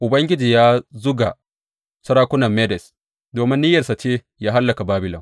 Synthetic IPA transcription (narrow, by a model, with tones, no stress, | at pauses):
ʔʊ˨bɐ˦ŋɡʲɪ˦d͡ʒiː˨jaː˦zʊ˦ɡa̰˨ | sɐ˦ɾaː˦kʷʊ˦nɐ˨mːɛ˦dɛ˨s | doː˨mɪ˦nːiː˦jɐ˨sa˨t͡ʃeː˦ | jaː˦ɦa˦lːɐ˨ka˨baː˦bɪ˨lɔ˨m